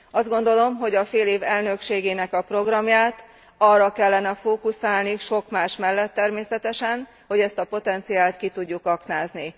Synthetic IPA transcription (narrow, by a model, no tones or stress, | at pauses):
ɒzd̪ɡo̞nd̪o̞lo̞mɦo̞ɟɒfeːleːvɛlnø̞kʃeːɡeːnɛkɒpro̞ɡrɒmjaːt̪ | ɒrːɒkɛlːɛnɛfoːkusaːlniʃo̞kmaːʃmɛlːɛt̪ːɛrmeːsɛt̪ɛʃɛn | ho̞ɟɛst̪ɒpo̞t̪ɛnt̪sijaːlt̪kit̪uɟːukɒknaːzni